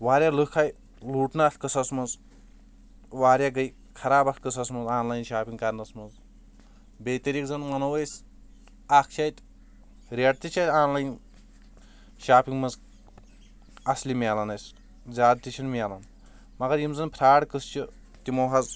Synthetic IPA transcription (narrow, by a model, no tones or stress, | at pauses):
waːɾʲjalɨkʰaj | luːʈnat̪kɨsɐsmɐz | waːɾjaɡɐj | kʰɐɾaːbɐt̪kɨsɐsmɐzaːnlajnʃaːpiŋkaɾnɐsmɐz | bejt̪ɐɾikzɐnmɐnɐwɐjs | ak̚ʰt͡ʃʰajt̪ʲ | ɾʲeʈ̚t̪it͡ʃʰajt̪ʲaːnlajn | ʃaːpiŋɡmɐz | ɐslimaːlɐnɐjs | d͡zaːd̪̚t̪it͡ʃʰinmʲelɐn | mɐɡɐɾjimzɐnpʰɾaːɽkɨst͡ʃʰi | t̪imɐwɦɐz